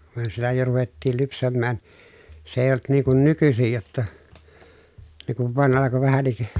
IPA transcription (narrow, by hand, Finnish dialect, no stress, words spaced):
myø sielːæ jo ruʋetːiːl lypsæmːæːn se eˑi̯j olt niːŋ kun nykysij jotːɑ ne kuʋ ʋɑˑen ɑlɑko ʋæhænˑik